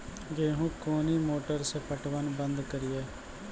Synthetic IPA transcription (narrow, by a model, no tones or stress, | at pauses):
ɡeːɦũːkoːniːmoːʈəɾspəʈʋənbənd̪kəɾɪjɛː